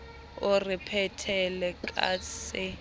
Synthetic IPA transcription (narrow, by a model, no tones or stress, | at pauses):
ʊripʰɛtʰɛlɛkʼa̰ːsɪ